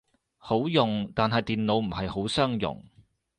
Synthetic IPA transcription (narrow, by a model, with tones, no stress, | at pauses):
ho˨˥wjʊ˨ŋt̪aː˨nɦɐ˨jt̪iː˨nlo˨˧wm̩˨˩hɐ˨jho˨˥wsœː˥ŋjʊ̰˨ŋ